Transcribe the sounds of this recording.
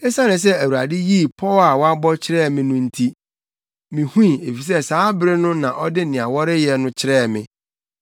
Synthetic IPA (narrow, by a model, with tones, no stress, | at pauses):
e˦sa˦nɪ̃˨s̬ɛ˦æ˨wu˨a̰˨dɪ˦ji˦˨pʰɔ˦a˨wɔ˦a˦bɔ˦t͡ɕʰɪ˦ɾɛː˦˨mɪ̃˦nʊ̃˦n̩˦tʰi˦ | mĩ˨hũ˦ĩ˨e˨fi˨s̬ɛ˦saː˨˦bɾɪ˦nʊ̃˦nã˨ʔɔ˦dɪ˦nɪ̃˨a˨wɔ˦ɾɪ˦jɛ˦nʊ̃˦t͡ɕʰɪ˦ɾɛː˦˨mɪ̃˨